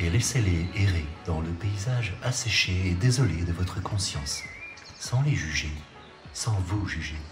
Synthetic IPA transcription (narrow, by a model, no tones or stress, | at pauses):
elɛseleeʁed̪̥ɑ̃ləpeizaʒasɛʃeːd̪ezɔled̪əvɔt̪χəkɔ̃sjɑ̃sː | ɑ̃leʒyʒe | sɑ̃vuʒyʒe